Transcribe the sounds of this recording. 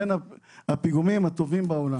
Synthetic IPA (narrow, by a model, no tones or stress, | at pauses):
enaapiɡumimat̪ovimbaola